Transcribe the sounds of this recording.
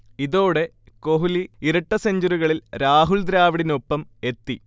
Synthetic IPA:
iðo̞ːɽe̞ | ko̞ɦuliiɾɐʈːɐseɲd͡ʑuɾuɣɐɭilɾaːɦuɭd̪ɾaːʋiɽinopːɐme̞t̪ːi

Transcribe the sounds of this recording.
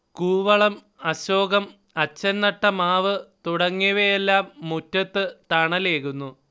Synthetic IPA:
kuːʋɐɭɐm | ɐɕoːɡɐm | ɐt͡ɕːɐnːɐʈːɐmaːʋɨt̪uɽɐŋːiʋejelːaːmːutːɐt̪ːɨt̪ɐɳɐle̞ːkunːu

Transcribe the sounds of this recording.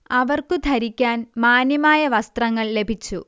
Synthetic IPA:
ɐʋɐrkɨd̪ʱɐɾikʲːaːnmaːnjɐmaːjɐʋɐst̪rɐŋːɐɭle̞bʱit͡ɕːṵ

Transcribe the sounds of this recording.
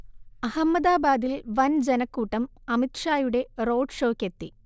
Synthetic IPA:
ɐhɐmːɐd̪aːbaːd̪ilʋɐnd͡ʑenɐkːuːʈːɐmɐmit̪ʂaːjuɽe̞ro̞ːɖʂo̞ːkːet̪ːḭ

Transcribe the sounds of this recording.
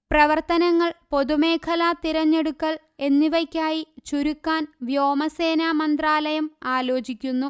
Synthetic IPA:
prɐʋɐrt̪ɐnɐŋːɐɭpo̞ðume̞ːkʰɐlaːt̪iɾɐɲːe̞ɽukːɐɭ | e̞nːiʋɐkʲːaːjit͡ɕuɾukːaːnʋjo̞ːmɐse̞ːnaːmɐnd̪raːlɐjɐmaːlo̞ːt͡ɕikʲːunːu

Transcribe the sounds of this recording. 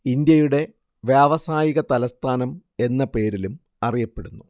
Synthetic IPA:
ind̪jɐjuɽe̞ | ʋjaːʋɐsaːjiɣɐt̪ɐlɐst̪ʰaːnɐme̞nːɐpe̞ːɾilum | ɐrijɐpːe̞ɽunːu

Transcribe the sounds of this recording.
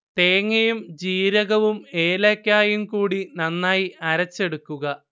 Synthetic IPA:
t̪eːŋːɐjumd͡ʑiːɾɐɣɐʋumeːlɐkʲːaːjumkuːɽinɐnːaːjiɐɾɐt͡ɕːe̞ɽukːuɣɐ

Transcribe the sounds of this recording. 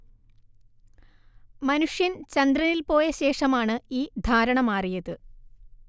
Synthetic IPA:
mɐnuʂjɐnt͡ɕɐnd̪rɐnilpo̞ːjɐɕe̞ːʂɐmaːɳɨiːd̪ʱaːɾɐɳɐmaːrijɐðɨ

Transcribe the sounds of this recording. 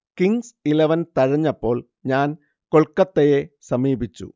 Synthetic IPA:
kiŋsileʋɐnt̪ɐɻɐɲːɐpːo̞ːɭ | ɲaːn | koɭkɐt̪ːejesɐmiːbit͡ɕːṵ

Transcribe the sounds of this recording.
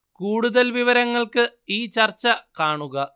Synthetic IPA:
kuːɽuðɐlʋiʋɐɾɐŋːɐɭkɨiːt͡ɕɐrt͡ɕːɐkaːɳuɣɐ

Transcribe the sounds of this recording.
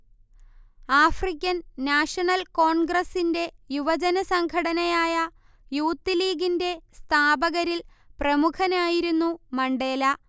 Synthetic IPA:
aːfrik̬ʲːɐnːaːʂɐɳɐlko̞ːɳɡrɐsinde̞juʋɐd͡ʑɐnɐsɐŋkʰɐɽɐnɐjaːjɐ | juːt̪ːiliːɡinde̞st̪ʰaːbɐɣɐɾil | prɐmukʰɐnaːjiɾunːumɐɳɖe̞ːlɐ

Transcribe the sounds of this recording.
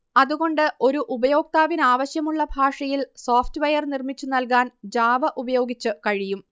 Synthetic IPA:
ɐðuɣo̞ɳɖɨʔo̞ɾuʔubɐjo̞ːk̚t̪aːʋinaːʋɐɕjɐmuɭːɐbʱaːʂɐjilsoːftɨʋɐjɐrnirmit͡ɕːunɐlkaːnd͡ʑaːʋɐʔubɐjo̞ːɡit͡ɕːɨkɐɻijum

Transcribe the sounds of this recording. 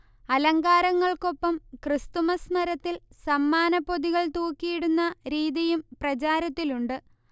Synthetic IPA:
ɐlɐŋɡaːɾɐŋːɐɭko̞pːɐmkrɨst̪umɐsnɐɾɐt̪ːilsɐmːaːnɐpːo̞ðiɣɐɭt̪uːkːijiɽunːɐɾiːðijumprɐt͡ɕaːɾɐt̪ːiluɳɖɨ

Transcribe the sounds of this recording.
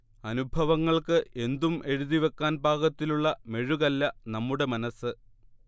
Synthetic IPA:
ɐnubʱɐʋɐŋːɐɭkɨe̞nd̪umʔe̞ɻuðiʋe̞kːaːnbʱaːɣɐt̪ːiluɭːɐme̞ɻuɣɐlːɐnɐmːuɽe̞mɐnɐsːɨ

